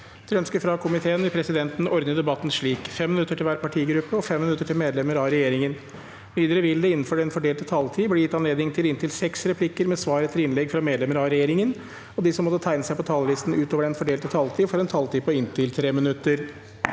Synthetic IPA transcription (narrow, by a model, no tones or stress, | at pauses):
t̪ʰɾɛœnskəfɾɑkʰʊmɪt̪ʰeːənʋɪlpʰɾɛsɪd̪ɛnt̪n̩ɔɾd̪əd̪ɛbɑt̪ːn̩ʂɭiːkfɛmːɪnʉt̪ːəʈʰɪlʋæːɾpɑʈʰiːɡɾʉpːəɔfɛmːɪnʉt̪ːəʈʰɪlmeːd̪lɛməɾɑɾɛjeːɾɪŋən | ʋiːd̪əɾəʋɪld̪ɛɪn̩ːføːɖɛnfɔɖeːlt̪ət̪ʰɑlt̪ʰiːbliːjɪt̪ːɑnleːd̪nɪŋt̪ʰɪlɪnt̪ʰɪlsɛksɾɛpʰlɪkːəɾmɛsʋɑːɾət̪ʰɪlɪnlɛɡfɾɑmeːd̪lɛməɾɑɾɛjeːɾɪŋən | ɔd̪ɪsɔmːɔt̪ːət̪ʰæɪnəsæɪpɔt̪ʰɑːləlɪst̪n̩ʉːt̪oːʋəɖɛnfɔɖeːlt̪ət̪ʰɑlt̪ʰiːfɔɾɛnt̪ʰɑlt̪iːpʰɔɪnt̪ʰɪlt̪ʰɾeːmɪnʉt̪ːəɾ